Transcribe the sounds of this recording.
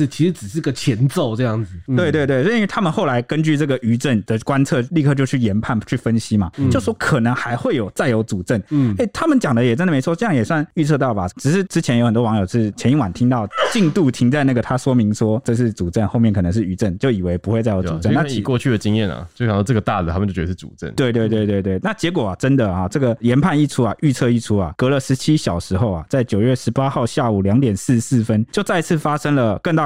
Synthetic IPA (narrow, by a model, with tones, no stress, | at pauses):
t͡ɕʰi˧˥ʂ̩˧˥t͡sɻ̩˨˩ʂɻ̩˥˩i˥ɡə˨˩t͡ɕʰjɛ˧˥nt͡so˥˧ʊʈ͡ʂɤ˥˧jɑ˥˩ŋd͡z̩˩t̪we˥˧ɪt̪we˥˧ɪt̪we˥˩ɪ˥˧˥t̪ʰa˥mə˨xo˥˩ʊla˧˥ɪkə˥nt͡ɕy˥˧ʈ͡ʂɤ˥˩ɡə˩y˧˥ʈ͡ʂə˥˩nd̪ə˩kwa˥nt͡sʰɤ˥˧li˥˧kʰɤ˥˧t͡ɕjo˥˧ʊt͡ɕʰy˥˩jɛ˧˥npʰa˥˩nt͡ɕʰy˥˩fə˥nɕi˥ma˨jo˥˩ʊʂwɔ˥kʰɤ˨˩nɤ˧˥ŋxa˧˥ɪxwe˥˩ɪjo˨˩ʊt͡sa˥˩ɪjo˧˥ʊt͡su˨˩ʈ͡ʂə˥˩ne˥˩ɪt̪ʰa˥mə˨nt͡ɕjɑ˨˩ŋd̪ə˦jɛ˨˩ʈ͡ʂə˥nd̪ə˨me˧˥ɪɔ˥ʈ͡ʂɤ˥˧jɑ˥˩ŋjɛ˨˩swa˥˧ny˥˧t͡sʰɤ˥˧t̪ɑ˥˩ʊba˩ʈ͡ʂɻ̩˨˩ʂɻ̩˥˩ʈ͡ʂɻ̩˥t͡ɕʰjɛ˧˥njo˧˥ʊə˨˩t̪wɔ˥wɑ˧ŋjo˨˩ʊʂɻ̩˥˩t͡ɕʰɛ˧˥i˥ŋwa˨˩nt̪ʰi˥ŋt̪ɑ˥˩ʊt͡ɕi˥˧ŋt̪u˥˩t̪ʰi˧˥ŋt͡sa˥˧ɪna˥˩ɡə˩t̪ʰa˥ʂwɔ˥mi˧˥ŋʂwɔ˥ʈ͡ʂɤ˥˧ʂ̬ɻ̩˥˩t͡su˨˩ʈ͡ʂə˥˧nxo˥˧ʊmjɛ˥˩nkʰɤ˨˩nə˧˦ŋʂɻ̩˥˩y˧˩ʈ͡ʂə˥˩nt͡ɕjo˥˩ʊi˨˩we˧˥ɪpu˧xwe˥˧ɪt͡sa˥˩ɪjo˧˥˨u˨˩ə˥˧˥na˥i˨˩kwɔ˥˧t͡ɕʰy˥˩d̪ə˩t͡ɕi˥ŋjɛ˥˩na̰˨˥˧k̪ʰɑ˥˩ʈ͡ʂə˥˩ɡə˩t̪a˥˩d̪ə˩t̪ʰə˨t͡ɕo˥˩ɥɛ˧˥ə˩ʂʰt͡sṵ˨˩ʈ͡ʂə̰˥˩nt̪we˥˧t̪we˥˧ɪt̪we˥˧ɪt̪we˥˧ɪt̪we˥˩ɪna˥˩t͡ɕjɛ˧˥k̬wɔ˨˩a˩ʈ͡ʂə˦˥nd̪ə˨a˨˩ʈ͡ʂɤ˥˩ɡə˨˩jɛ˧˥npʰa˥˧ni˥˩ʈ͡ʂʰu˥a˨ʔy˥˧t͡sʰɤ˥˧i˥˩ʈ͡ʂʰu˥a̰˨˩kɤ˧˥lə˨ʂɻ̩˧˥t͡ɕʰi˥ɕjɑ˨˩ʊʂɻ̩˧˥xo˥ʊa˨˩t͡sa˥˩ɪt͡ɕjo˨˩ʊɥɛ˥˩ʂɻ̩˧˥pa˥xɑ˥˧ʊɕja˥˩u˨˩ljɑ˧˥ŋt̪jɛ˨˩nsɹ̩˥˧sɹ̩˥˩fə˦nt͡ɕjo˥˧ʊt͡sa˥˧i˧t͡sʰɹ̩˥˩fa˦ʂə˥ŋlə˨kə˥˧ŋt̪ɑ˥˨˩